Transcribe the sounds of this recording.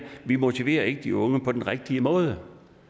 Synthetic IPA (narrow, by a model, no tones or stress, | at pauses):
ʋimo̝t͡sʰiʋe̝̰ːɐe̝ɡ̥əd̥iɔ̽ŋəpʰɒ̽d̥enʁeɡ̥̚d̥iəmɔ̽ːð̞ˠə